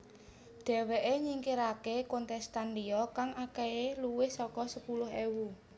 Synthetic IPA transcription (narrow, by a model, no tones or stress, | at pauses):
ɖ̪̥ɛ̤weʔeɲiŋkiɾakekɔnt̪ɛst̪anliɔkaŋakɛeluwɪhsɔkɔsəpulʊɦewu